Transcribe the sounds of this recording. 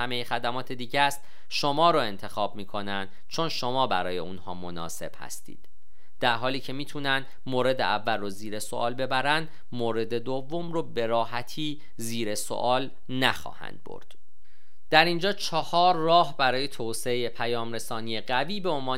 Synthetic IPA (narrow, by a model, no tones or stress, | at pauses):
æmejexæd̪æmɒːt̪ʰed̪iːɟæst̪ | ʃo̞mɒːɾoːe̞nt̪ʰe̞xɒːb̚miːkʰo̞nænd̪̥t͡ʃʰo̞nʃo̞mɒːbæ̰ɾɒːje̞unhɒ̰ːmo̞nɒ̰ːse̞̰b̥hæ̰st̪ḭːd̪̥ | d̪̥æɾɦɒːliːcʰe̞miːt̪ʰuːnænd̪ | moːɾe̞d̪ḛʔævːælroziːɾe̞so̰ʔɒːlbe̞bæɾænd̪ | moːɾe̞d̪e̞d̪ovːo̞mroːbe̞ɾɒːɦæt̪ʰiː | ziːɾe̞so̰ʔɒːl | næxɒ̰ːhæ̰nd̪̥̚bo̰ɾd̪̥ | d̪̥æɾind͡ʒɒːt͡ʃʰɒhɒːɾːɒːhbæɾɒːje̞t̪ʰoːseeje̞pʰæjɒːmɾe̞sɒːnije̞ɣæviːbe̞onvɒː